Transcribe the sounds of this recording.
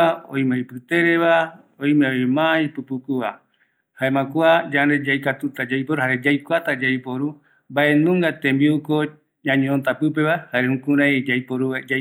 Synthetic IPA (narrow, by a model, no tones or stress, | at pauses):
aõ̰j̃mãjpɨt̪eɾeβa | oj̃meojmãjpɨpukuβa | haemãkuad͡ʒand̪ed͡ʒajkat̪ut̪ad͡ʒajpoɾuhaɾe̞d͡ʒajkʷat̪ad͡ʒaijpoɾu | mbaʔe̞nũŋɡat̪ẽmbiuko | ɲãɲẽont̪apɨpe̞βahaɾeũkũɾãjd͡ʒajpoɾuad͡ʒa